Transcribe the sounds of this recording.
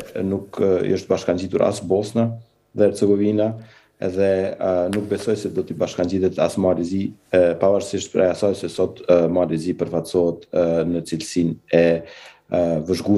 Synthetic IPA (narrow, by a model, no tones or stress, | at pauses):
nukə̰ʃt̪̚baʃkaɲd͡ʑit̪uɾa̰sbɔsna | ðɛɛɾt͡sɛɡɔvina | ɛ̰ðɛnuk̚bɛsɔjsɛd̪ɔt̪ibaʃkaɲɟiðɛt̪a̰smɔalɛzipavaɾsiʃt̪̚pɾɛasɔjsɛsɔt̪mɔalɛzipəɾfasɔɦɛt̪nət͡silsinɛ | vəʒɡu